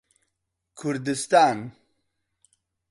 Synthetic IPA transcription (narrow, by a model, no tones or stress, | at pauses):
kʰuɾd̪ɨst̪aːn